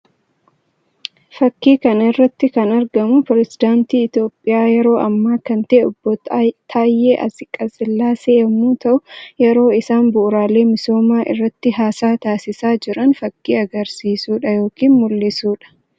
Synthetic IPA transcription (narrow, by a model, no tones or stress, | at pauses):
fɐkːiːkɐnɪrːɐt̪ːɪkɐnɐɾɡɐmʊpɾɛzɪd̪aːnt̪iːɪt̪jo̞ːpʼːɪjaːjɛɾo̞ːʔɐmːaːkɐnt̪ɐʔeɔbːɔt̪t̪ʰaːjːeːʔɐ̰sɪkʼːɐsɪlːaːseːɐmuːt̪ɐʔʊjɛɾo̞ːɪsaːnbʊʔʊɾaːle̞ːmɪso̞ːmaːʔɪ̰rːɐt̪ːɪɦaːsaːt̪aːsɪsaːd͡ʒɪɾɐnfɐkːiːɐɡɐɾsiːsuːᶑɐjo̞ːkiːnmʊlːɪsuːᶑɐ̥